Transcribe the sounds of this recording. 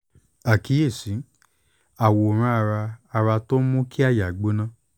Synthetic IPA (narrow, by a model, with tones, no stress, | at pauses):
a˨ki˨˦e˦˨sĩ˨˦ | a˨wo˨ɾ̃ã˧˦a˧ɾa˧a˧ɾa˧to˦mõ˦ki˦a˦˨ja˨ɡ͡bo˨˦nã˦˨